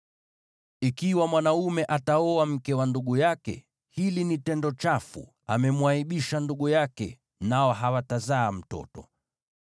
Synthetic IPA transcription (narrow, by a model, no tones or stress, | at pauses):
ikiwamwanaumɛʔataɔam̩kɛwanduɠujakɛ̰ | hilinitɛndɔt͡ʃafṵ | amɛmwaiɓiʃanduɠujakɛ̰ | naɔɦawatazaːm̩tɔ̰tɔ̰